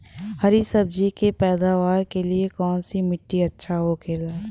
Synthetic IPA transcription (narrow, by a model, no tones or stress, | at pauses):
hɐɾisɐb̚d͡ʒikepɛːd̪aːʋaːɾkeliekɔːnsimɪʈːiɐtːʃʰaɦokʰeːlaː